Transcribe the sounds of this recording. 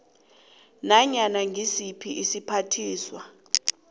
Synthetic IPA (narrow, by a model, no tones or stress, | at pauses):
naɲanaŋɡʱisipʰiʔisipʰatʰiːswa